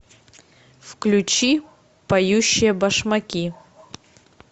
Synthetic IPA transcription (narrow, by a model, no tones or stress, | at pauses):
fklʲut͡ʃi | pɐjuɕːɪjəbɐʂmakʲi